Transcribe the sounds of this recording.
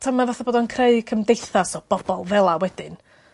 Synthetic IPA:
tʰamːavaθaboːdɔnkʰreɨkʰəmdejθasoːb̥ɔbɔlˠvɛlˠawɛd̥ɪn

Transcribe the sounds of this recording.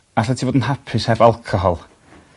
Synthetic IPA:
aɬɛtʰivoːdn̩hapʰɪsɛvalˠkʰɔɦɔlˠ

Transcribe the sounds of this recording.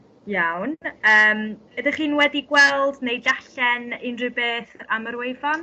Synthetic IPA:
jawnəːm | ədɪχiːnwɛdiɡwɛlˠdnejdaɬɛnɪnrɨbeːθaməɾwejvɔn

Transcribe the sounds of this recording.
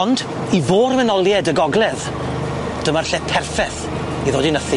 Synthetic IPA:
nd | ivoːɾmɛnɔlˠjɛdəɡɔɡlɛð | d̥əmarɬɛpʰɛrfɛθ | iðoːdinəθi

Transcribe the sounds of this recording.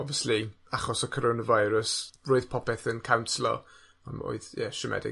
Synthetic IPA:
ɔbviəsli | aχɔsəkʰɔɾonavajɾəsroːɨð̥pʰɔpɛθənkʰawnslˠɔ̰ | a̰no̰ːɨðjɛʃəmʔɛ̰dɪ̰

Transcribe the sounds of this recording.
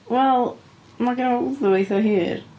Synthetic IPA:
wɛlˠ | maɡanauðʊejθɔɦiːr

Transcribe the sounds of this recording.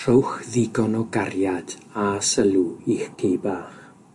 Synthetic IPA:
r̥owχðɪɡɔnɔɡarjad̥asəlˠuiχkʰejbaːχ

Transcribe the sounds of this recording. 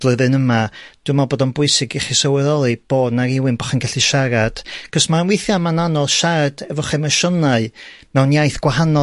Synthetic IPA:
lˠəðɨnəmad̥ɪmaboːdɔnbʊɨsɪɡɪχɪsəwɛðɔlˠib̥oːdnaɾɪwɪnbɔχanɡɛɬiʃaɾad̥kʰɔsmanwɪjθjamananɔlˠʃaɾad̥ɛvɔχɛmaʃɔnaɨmɛwnjajθɡ̥wahanɔ

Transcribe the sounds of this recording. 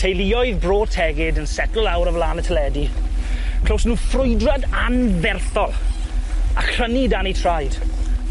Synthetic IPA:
tʰejliɔɨðbroːtʰɛɡɪdənsɛtʊlˠawɾəvlaːnətʰəlɛdi | kʰl̥owsnuːfrʊjdradanvɛrθɔlˠ | akənidanitʰr̥ajd̥

